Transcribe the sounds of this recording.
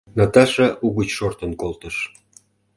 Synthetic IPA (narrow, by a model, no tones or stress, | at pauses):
nɑt̪ɑʃeʔuɣut͡ɕʃort̪ənkolt̪ə̆ʃ